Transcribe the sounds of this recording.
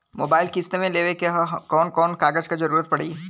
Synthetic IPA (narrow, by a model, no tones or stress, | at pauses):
mo̰ːbaːɪlkɪst̪emẽleːʋekeɦkɔːnkɔːnkaːɡəd͡ʒkad͡ʒɐɾuːɾət̪̚pɐɽiː